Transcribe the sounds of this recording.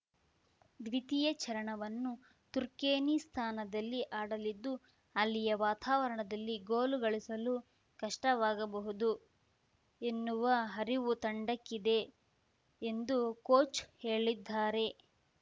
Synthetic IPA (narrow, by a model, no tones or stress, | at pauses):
d̪ʋit̪ijɐt͡ʃɐɾɐɳɐʋɐnːu | t̪uɾkeːnist̪ʰaːnɐd̪ɐlːiʔaːɽɐlid̪ːu | ɐlːijɐʋaːt̪aːʋɐɾɐɳɐd̪ɐlːiɡoːluɡɐɭisɐlu | kɐʂʈɐʋaːɡɐbɐɦud̪u | enːuʋɐɦɐɾiʋut̪ɐɳɖɐkːid̪e̞ː | nd̪ukoːt͡ʃhe̞ːɭid̪ːaːɾe̞